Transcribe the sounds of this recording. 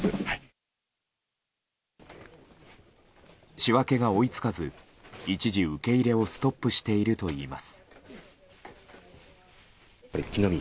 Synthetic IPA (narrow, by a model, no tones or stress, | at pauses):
ɕiβake̞ɡao̞it͡sɨ̥kazɨ | it͡ɕiʑiɯ̟ke̞iɾe̞o̞sɨ̥t̪o̞pːɯ̟ɕi̥t̪e̞iɾɯ̟t̪o̞iːma̰sɨ̥ | ɾekʲinomʲi